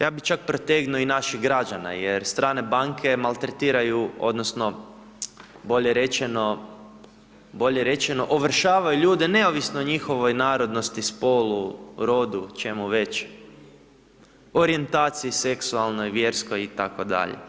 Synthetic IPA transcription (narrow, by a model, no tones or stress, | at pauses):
jʔaːbit͡ʃak̚pɾot̪eɡnioinaʃiɣɡɾad͡ʒana̰je̞ɾst̪ɾaːne̞baŋkʰe̞malˠt̪ɾet̪iːɾajuo̞̰d̪no̞sno̞ | bo̞ʎe̞ɾe̞t͡ʃeno̞ | bo̞ʎe̞ɾe̞t͡ʃeno̞ʔoʋr̩ʃaːʋajuʎuːd̪e̞ne̞oʋisnoɲixo̞ʋo̞jnaːɾo̞d̪no̞st̪ispo̞luɾo̞d̪ut͡ʃe̞muʋe̞t͡ʃ | o̞ɾie̞nt̪aːt̪sijise̞ksualˠno̞jʋjeːɾskojit̪ako̞d̪a̰ʎḛ